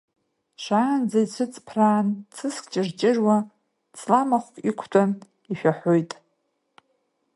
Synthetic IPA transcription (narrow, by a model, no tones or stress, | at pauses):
ʃʷaːnd͡zajt͡sʷʰɨt͡sʼpʰraːnt͡sʰɨskʼt͡ʃʼɪrt͡ʃʼɪrwa | t͡sʼlamaχʷkʼikʷʰtʰʼan | iʃᶣaħʷojtʼ